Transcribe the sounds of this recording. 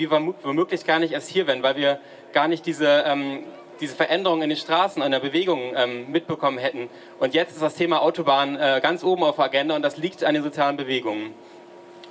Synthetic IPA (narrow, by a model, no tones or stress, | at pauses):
viːɐvɛvomøːklɪçɡ̥aːɐnɪçʔeːɐsthiːɐvɛːʁənvaɪlviːɐ | ɡ̥aːɐnɪçt̚d̥iːzəʔɛːm | d̥iːzəfɛɐʔɛndəʁ̞ʊŋɪndeːnʃtʁ̥aːsn̩aɪdeɐbəveːɡʊŋʔɛːmmːɪt̚b̥əkʰɔmənɦɛtn̩ | ʔʊntjɛt͡stɪstd̥astʰeːmaʔaʊtobaːnənʔɛːɡant͡sʔoːbm̩aʊfaɡɛndaʊntd̥asliːktandeːnzot͡sjaːlənbəveːɡʊŋən